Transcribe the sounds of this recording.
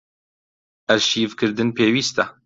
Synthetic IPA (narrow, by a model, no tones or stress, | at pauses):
ɛzʃiːvkɨɾd̪ɨnpʰeːwiːst̪ɛ